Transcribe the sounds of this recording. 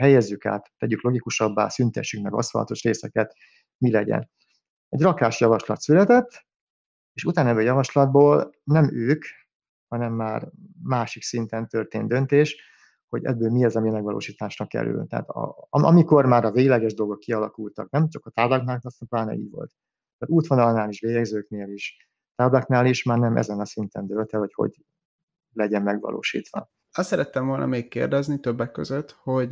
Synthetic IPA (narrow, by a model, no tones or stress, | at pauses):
ɦɛjɛzːyka̰ːt̪ːɛɟyklo̞ɡikuʃɒbːa̰ːsynt̪ɛ̰ʃykmɛɡɒ̰shɒ̰ɒ̰t̪o̞ʃreːsɛkɛt̪ | milɛɟɛ̰n | ɛɟrɒkaːʃjɒvɒʃlɒt̪sylɛt̪ɛt̪ː | eːʃut̪aːnɛbːøːjɒvɒʃlɒd̪̚boːlnɛmøːk | hɒnɛmːaːrmaːʃiksint̪ɛnt̪ø̞rt̪eːnd̪ø̞nt̪eːʃ | ho̞̰ɟɛ̰bːøːlmiɛzɒmimɛɡvɒlo̰ːʃiːt̪aːʃrɒkɛ̰ɾy̰lt̪ɛ̰a̰ːt̪ɒ̰ɒɒmiko̞rmaːɾɒveːɡlɛɡɛʒd̪o̞lɡo̞kːiɒlɒkult̪ɒ̰knɛmt͡ʃɒkɒt̪aːblaknaːlnɒsɛplaːnɛ̰ḭːɟʋo̞̰lt̪ | mɛɾuːt̪ʋonɒlɒnːaːliʃʋeːjɛɡzøːkneːliʃ | t̪aːblaːknaːliʃmaːrnɛmʔɛ̰zɛnɒsint̪ɛnd̪ølt̪ɛvɒcho̞̰ɟ | lɛɟɛmmɛɡʋɒ̰lʔo̰ːʃḭːt̪ʋɒ̰ | ɒst̪sɛɾɛt̪ːɛmvo̞lnʔmeːkːḛːrd̪ɛznit̪øbːɛkːøzøt̪ho̞ɟ